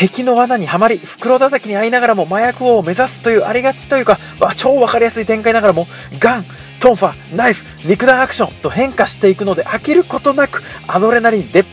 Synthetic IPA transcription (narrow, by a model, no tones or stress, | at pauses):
t̪e̞kʲino̞βanaɲ̟ihamaɾʲiɸɯ̟̥kɯ̟ɾo̞d̪at̪akʲiɲ̟iainaɡaɾamo̞majakɯ̟oːme̞zasɨ̥t̪o̞jɯ̟ːʔaɾʲiɡat͡ɕi̥t̪o̞jɯ̟ka | βat͡ɕo̞ːβakaɾʲijasɨit̪ẽ̞ŋkainaɡaɾamo̞ | ɡãŋ | t̪õ̞ɰ̃ɸanaiɸɯ̟̥ɲʲikɯ̟d̪aːkɯ̟̥ɕõ̞nt̪o̞hẽ̞ŋkaɕi̥t̪e̞ikɯ̟no̞d̪e̞ʔakʲiɾɯ̟ko̞t̪o̞nakɯ̟̥ad̪o̞ɾe̞naɾʲind̪e̞